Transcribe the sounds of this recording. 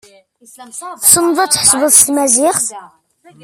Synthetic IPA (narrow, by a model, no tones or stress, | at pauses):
θsənːəðˤæt͡sːħə̥sˤvəðˤst̪mæzɪχθ